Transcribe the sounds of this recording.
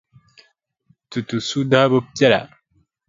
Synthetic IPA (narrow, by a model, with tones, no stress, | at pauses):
tu˨tu˨su˦da˦bo˦pjɛ˦la̰˨